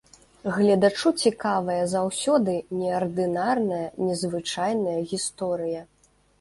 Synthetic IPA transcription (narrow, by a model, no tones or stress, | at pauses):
ɣlʲɐd̪at͡ʂut͡sʲikavɐjɐzawsʲɔd̪ɨnʲɛɐrd̪ɨnarnɐjɐnʲɛzvɨt͡ʂajnɐjɐɣʲist̪ɔɾɨjɐ